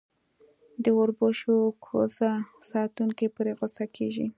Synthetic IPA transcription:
d̪əʊɾboʃokʰo̰zasɑt̪uŋkepuɾeɣosakʰeʒḭ

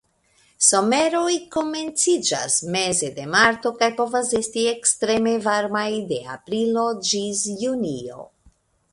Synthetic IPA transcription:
so̞me̞ɾo̞jko̞me̞nt͡sid͡ʒa̰sme̞ze̞de̞maɾt̪o̞kajpo̞vase̞stie̞kstɾe̞me̞vaɾmajde̞a̰pɾilo̞d͡ʒisjunio̞̰

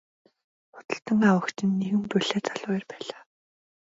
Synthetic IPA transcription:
χʊ̥t̪ə̆ɬt̪ə̆ŋawə̆kt͡ɕɪ̆nːeɣɘ̆mpœɮeːt͡saɮʊːjə̆rpæːɮaː

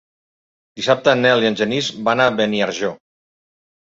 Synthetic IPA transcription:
d̪isap̚t̪ənɛliənʲʒənizbanaβeniaɾʒo

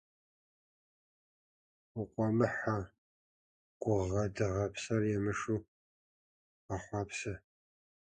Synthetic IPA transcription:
ʊqʷʼɔmɨħa | ɡ̥ʷʊʁɐdɨʁɐpʰsɐrjɛmɨʂuː | ɐχʷɑːpʰsɨ

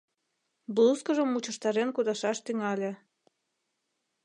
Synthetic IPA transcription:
blˠuskəʒəmut͡ɕə̆ʃt̪ɑɾenkud̪ɑʃɑʃt̪yŋɑlʲe

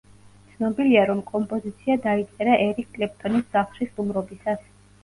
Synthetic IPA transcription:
t̪sʰnɔbiliaɾɔmkʼɔmpʼɔzit̪sʰiad̪ait̪sʼɛɾaʔɛɾikʰːʼlɛp̚t̪ʰʼɔnisz̥aχlʃisʼumɾɔbisas

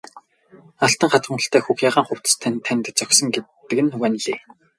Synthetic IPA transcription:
aɬt̪ə̆ŋχat͡s̪wə̆ɴə̆ɬt̪æːxuxjaːʁaːɴχʊw̥t̪st̪ʰænt̪ʰːænʲt̪̆t͡sœkʲsɞ̆ŋɡetː | ɘ̆kɘ̆nwænɮeː

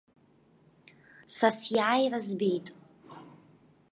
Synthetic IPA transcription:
sasjaːjrazbejtʼ

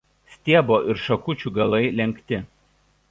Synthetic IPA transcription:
sʲt̪ʲiɛboːʔɪɾʃɐkʊt͡ʃʲuːˑɡɐlˠɐɪlʲɛŋʲkt̪ʲɪ

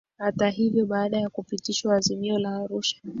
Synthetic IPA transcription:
hataɦivjɔɓaːɗajakupitiʃwaːzimiɔlaːɾuʃḁ

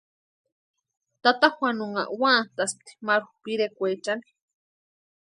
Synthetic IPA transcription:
t̪at̪axwanuŋa̰ʔwat̪asp̚t̪i̥maɾxupiɾekʷet͡ʃani̥

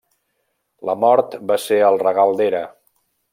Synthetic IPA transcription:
ləmɔɾt̪baseəlˠrəɣalˠd̪eɾə

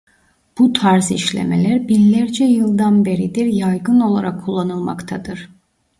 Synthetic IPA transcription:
b̥ut̪ʰaɾziʃlʲḛme̞̰lʲæɾbilːʲæɾd͡ʒɛjɯlˠd̪anbe̞ɾid̪iɾjajɡɯno̞lˠaɾakʰːulˠːanɯlˠma̰kt̪ʰad̪ɯɾ̥

